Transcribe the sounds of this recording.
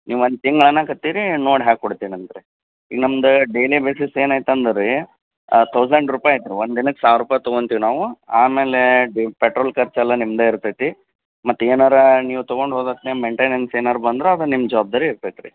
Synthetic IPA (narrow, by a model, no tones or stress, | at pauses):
niːʋɐnd̪̚t̪iŋɡɐɭɐnːɐkɐt̪ːiːɾinoːɽɦaːɡ̚koɽt̪iːniɐnd̪ɐɾe | ḭːɡnɐmd̪uɖelibeːsiseːnaːjt̪ɐnd̪ɾi | t̪ʰɐwsɐɳɖɾuːpaːjɐt̪ɾiʋond̪d̪inɐkːsaːʋɾuːpaːjt̪ɔɡont̪iːʋinaːʋuaːmeːleɖipeʈɾoːlkɐɾt͡ʃɛlːɐnimːd̪eiɾt̪ajt̪i | mɐt̪ːeːnaːɾɐniːʋut̪ɐɡo̞ɳɖɦoːd̪at̪nemeɳʈeːnɐnseːnaːɾɐbɐnd̪ɾeɐd̪ɾɐnimːɐd͡ʒɐʋaːb̚d̪aːɾiːɾt̪ajt̪ɾi